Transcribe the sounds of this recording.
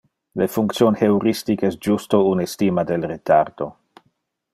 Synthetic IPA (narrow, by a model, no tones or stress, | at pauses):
lefuŋkt̪sjonhewɾistikɛsd͡ʒustounestimad̪elret̪ard̪o